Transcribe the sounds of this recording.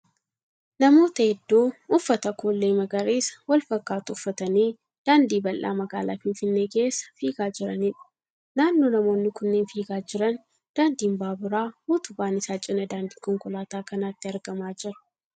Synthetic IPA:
nɐmo̞ːt̪ɐɛd̪ːoːʊfːɐt̪ɐkoːlːeːmɐɡɐɾeːsɐ̥wɐlfɐkːaːt̪ʊʊfːɐt̪ɐniː | d̪̥aːnd̪iːbɐlʔa̰ːmɐɡaːla̰ːfɪnfɪnːeːke̞ːsːɐ̥fiːɡaːd͡ʒɪɾɐnɪᶑɐ̥ | naːnːo̞ːnɐmo̞ːnːɪkʊnːeːnfiːɡaːd͡ʒɪɾɐn | d̪̥aːnd̪iːmbaːbɪɾaːhuːt̪ʊbaːnɪsaːt͡ʃʼɪnɐd̪aːnd̪iːkɔŋkʼʊlaːt̪aːkɐnaːt̪ːɪɐɾɡɐmaːd͡ʒɪɾɐ̥

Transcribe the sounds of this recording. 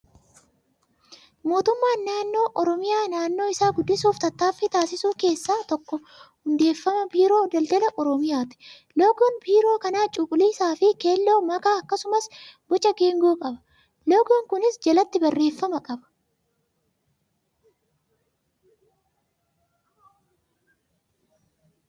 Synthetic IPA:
mo̞ːt̪ʊmːaːnːaːnːo̞ːʔɔɾɔmɪjaːnaːnːo̞ːɪsaːɡʊd̪ːɪsuːft̪ɐt̪ːaːfɪt̪aːsɪsuːke̞ːsːaːt̪ɔkːɔ | hʊnd̪e̞ːfːɐmɐbiːɾo̞ːd̪ɐld̪ɐlɐʔɔɾɔmɪjaːt̪ɪ̥ | loːɡʊnbiːɾo̞ːkɐnaːt͡ʃʼʊkʼʊliːsaːfɪke̞ːlːo̞ːmɐkaːɐkːɐsʊmɐsbɔt͡ʃʼːɐɡeːŋɡuːkʼɐbɐ̥ | loːɡuːŋkʊnɪsd͡ʒɐlɐt̪ːɪbɐrːe̞ːfːɐmɐkʼɐbɐ̥

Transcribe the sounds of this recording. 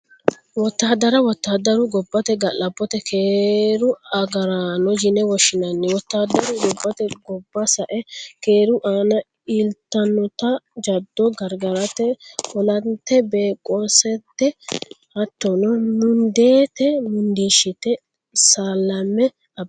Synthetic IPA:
wɔt̪ːaːd̪ɐɾɐwɔt̪ːaːd̪ɐɾʊɡɔbːɐt̪ɛɡɐlɐbːɔt̪ɛkʰeːɾʊɐɡɐɾanɔd͡ʒɪnɛwɔʃɪnɐnːɛwɔt̪ːaːd̪ɐɾʊɡɔbːɐt̪ɛɡɔbːɐsɐʔɛkeːɾʊʔaːnɐ | ɪlt̪ːɐnɔt̪ɐd͡ʒɐd̪ːɔɡɐɾɡɐɾɐt̪ɛɔlɐnt̪ːɛbe̞ːkʼːɔsɛt̪ːɛ | hɐt̪ːɔnɔnʊnd̪e̞ːt̪ɛmɪnd̪iːʃɪt̪ɛ | sɐlːɐmːɛ | ɐ

